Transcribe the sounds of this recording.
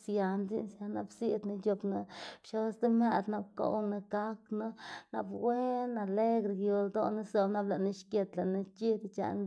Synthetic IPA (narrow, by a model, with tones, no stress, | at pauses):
sja˨nd͡zi˦nsja˧na˧bsi˦d̪na˧d͡ʒo˧bna˧bʃo˦sd̪e˦me˦d̪na˧b̚ko̰˧wna˧ɡa˦kno˦na˧bwe˦na˨le˦ɡɾɡjo˨ld̪o˦na˦so˧bna˦bla˨ʔna˦ʃkʲje˧t̪la˨na˦t͡ʃi˦d̪t͡ʃa̰˨n